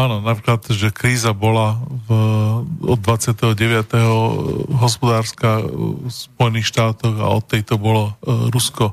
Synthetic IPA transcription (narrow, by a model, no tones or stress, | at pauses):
aːnɔnapɾiːklat̪ʒɛkɾiːzabɔlav | ɔd̪̚ːʋat͡sɪat̪ɛɦɔɟɛʋɪat̪ɛɦɔɦɔspɔd̪aːɾskasp̚ɔjɛniːxʃt̪aːt̪ɔɣa̰ɔt̪ːɛjt̪ɔbɔlɔɾuskɔ